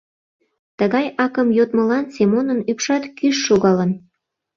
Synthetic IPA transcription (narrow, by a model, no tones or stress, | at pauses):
t̪əɣɑjʔɑkəmjot̪mə̆lɑnsemonənypʃɑt̪kyʃːoɣɑlə̆n